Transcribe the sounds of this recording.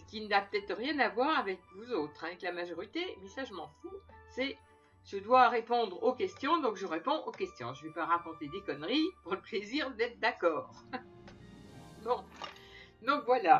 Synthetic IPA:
sə̥kʲinapə̥t̪ɛt̪ʁjɛ̃navwaʁavɛkvuzot̪χavɛklamaʒɔʁit̪emɛsaʒəmɑ̃fusɛ | ʒ̥əd̪waʁepɔ̃d̪ʁokʲɛst̪jɔ̃d̪ɔ̃kʒəʁepɔ̃ʔokʲɛst̪jɔ̰̃ʒəvepaʁakɔ̃t̪ed̪ekɔnʁipuʁləpleziʁd̪ɛt̪χd̪akɔːʁ | bɔ̃ | d̪ɔ̃kvwala

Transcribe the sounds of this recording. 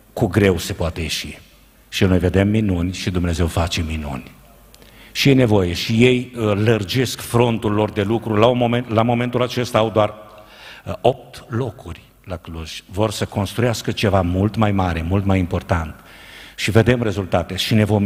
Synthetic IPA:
kuɡɾe̞wse̞poat̪e̞jeʃi | ʃino̞jve̞d̪e̞mːinunʲʃid̪umne̞ze̞wfat͡ʃe̞minṵnʲ | ʃijene̞vo̞je̞ʃije̞jlərd͡ʒe̞skfɾo̞nt̪ulːo̞rd̪e̞lukɾulamomelamo̞me̞nt̪ulat͡ʃe̞st̪aːwd̪oar | o̞p̚t̪lo̞kurʲ | lakluʒ̥vo̞rsəko̞nst̪ɾujaskət͡ʃe̞vamult̪majmaɾe̞mult̪majimpo̞rt̪ant̪ | ʃive̞d̪e̞mre̞zult̪at̪e̞ʃine̞vo̞m

